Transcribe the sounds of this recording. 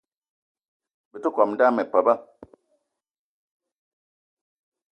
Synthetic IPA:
bi˨tu˦kɔ˨mda˦mɛ˨pə˨ba˦

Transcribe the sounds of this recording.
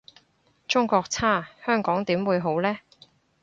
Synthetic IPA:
t͡sʊ˥ŋkɔː˧k̚t͡sʰaː˥˩hœː˥ŋkɔː˨˥ŋt̪iː˨˥mwuː˨˧jɦo˨˥wlɛː˥

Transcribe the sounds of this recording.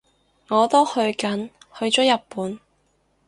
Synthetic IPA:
ŋɔː˨˧t̪o˥whɵ˧ɥkɐ˨˥nhɵ˧ɥt͡ʃɔː˨˥jɐ˨t̚puː˨˥n

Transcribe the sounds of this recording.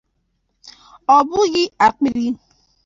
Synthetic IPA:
ɔ˨bu˦ɣi˦a˨k͡pi˦ɾi˦

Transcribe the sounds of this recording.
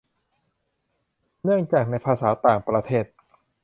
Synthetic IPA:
nɯ˥˩əŋt͡ɕaː˨˩k̚na˧jpʰaː˧saː˩˦t̪aː˨˩ŋpɾa˧t̪ʰeː˥˩t̪̚

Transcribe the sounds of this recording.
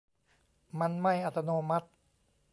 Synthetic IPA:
ma˧nma˥˩jʔa˨˧˩t̪ʰːa˧noː˧ma˦˥t̪̚

